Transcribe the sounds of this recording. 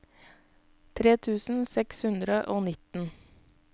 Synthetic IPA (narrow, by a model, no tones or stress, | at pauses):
t̪ʰɾeːt̪ʰʉːsn̩sɛkshʉnd̪ɾəʔoːnɪt̪n̩